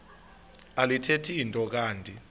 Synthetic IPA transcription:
alitʰetʰiːntʼɔk̬aːntʼi

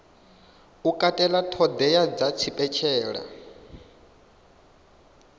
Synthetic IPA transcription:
ukʼatʼɛlatʰɔd̪ɛjad͡zat͡sʰipʼɛt͡ʃʰɛːɺa̰

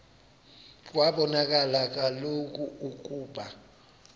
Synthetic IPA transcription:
k̬ʼwaɓɔnak̬ʼalak̬ʼalok̬ʼuuk̬ʼuːɓa

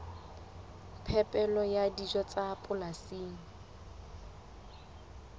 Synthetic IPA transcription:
pʰɛpʼɛlɔjadiʒɔt͡sʼapʼʊlasiːŋ̩

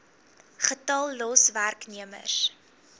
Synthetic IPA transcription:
χətɐlˠːɔsværkniəmə̰s

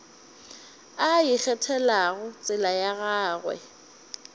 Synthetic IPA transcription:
ajɪk͡xɛtʰɛlaɣʊt͡sʼɪlajaɣaːɣwɛ̰

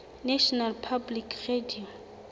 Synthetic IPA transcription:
nɛʃɔnalpʰablikʰrediɔm

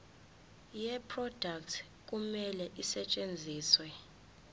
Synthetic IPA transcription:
jɛpʰrɔd̥ʱaktʰ | k̬ʼumɛlɛʔisɛt͡ʃʼend͡zʱiːswɛ

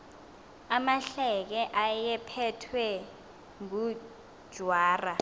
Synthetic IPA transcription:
amaɬɛk̬ɛʔajɛpʰɛtʰwɛ | ŋu̥ | ʒ̥ʱwaːra

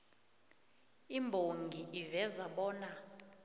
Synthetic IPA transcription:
imbʱoŋɡʱiʔivɛzaɓɔːna

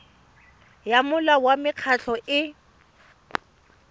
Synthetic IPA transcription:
jamʊlawamɪq͡χʰat͡ɬʰɔʔɪ

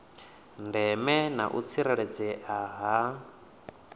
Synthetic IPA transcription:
ndɛmɛna̰ʔṵt͡sʰiɾɛɺɛd͡zɛʔaɦa

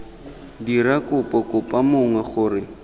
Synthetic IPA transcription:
diɾakʼʊpʼɔkʼʊpʼamʊŋwɛχʊːrɪ

